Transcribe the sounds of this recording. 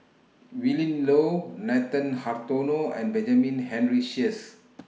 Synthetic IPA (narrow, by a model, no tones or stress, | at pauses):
wilə̃nlonat̪ə̃nhaɹt̪onoɛ̰̃nbɛ̃nd͡ʒamĩnɦɛ̃nɹiʃis